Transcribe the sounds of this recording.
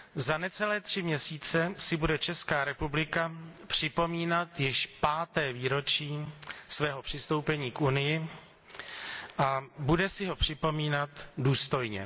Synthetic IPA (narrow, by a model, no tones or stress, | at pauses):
zanɛt͡sɛlɛːt̪r̝̥ɪmɲɛsiːt͡sɛsɪbudɛt͡ʃɛskaːɾɛpublɪkapr̝̥ɪpo̞miːnat̪jɪʃpaːt̪ɛːviːɾo̞t͡ʃiːsvɛːɦo̞pr̝̥ɪst̪o̞wpɛɲiːkunɪjɪ | ʔabudɛsɪɦo̞pr̝̥ɪpo̞miːnat̪duːst̪o̞jɲɛ̰